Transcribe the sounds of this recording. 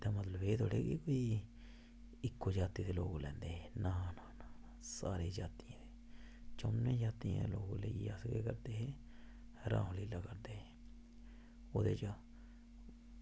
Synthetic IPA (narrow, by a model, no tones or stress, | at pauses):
d̪aːmət̪ləbeːt̪oːɽḛːɡḭkoːiː | ɪkːoːd͡ʒaːt̪iːd̪eːloːɡlɛ̃ːnd̪eːɦeːnaːnaːnaː | sa̰ːɾeːd͡ʒaːt̪ijãːd̪eː | t͡ʃəːnẽːd͡ʒaːt̪ijã̰ːd̪eːloːɡləiasɡḛːkəɾd̪eːɦeː | ɾã̰ːõːliːlaːkəɾd̪eːɦeː | oːd̪eːt͡ʃaː